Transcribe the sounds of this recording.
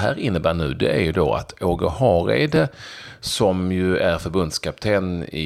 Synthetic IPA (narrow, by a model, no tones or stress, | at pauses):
ɦæːɾɪnːəbæːɳʉ̟ːd̪ɛ̰æɾjɵd̪oːa̰t̪ʰoːɡəhɑːɾḛːd̪əsɔmjɵæɾfœɾbɵnd̪skʰap̚t̪ʰeːnɪ̰